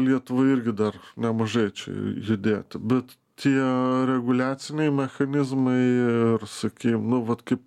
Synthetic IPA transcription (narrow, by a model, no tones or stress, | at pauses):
lʲiɛt̪ʊʋɐɪɾʲɡʲɪd̪ɐrnʲɛmɐʒɐɪt͡ʃʲɛ̰jʊd̪ʲeːt̪ʲbʲɛt̪ | t̪ʲiɛɾʲɛɡʊlʲæːt̪sʲɪnʲɛɪmʲɛxɐnʲɪzmɐɪɪrsɐkʲiːmnʊʋɐt̪kɐɪp